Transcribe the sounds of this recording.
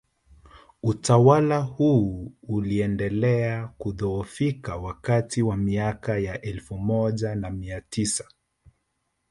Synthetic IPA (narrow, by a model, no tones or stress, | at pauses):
utawalahuuliɛndɛlɛakuðɔɔfikawakatiwamiakajaʔɛlfumɔʄanamiatisḁ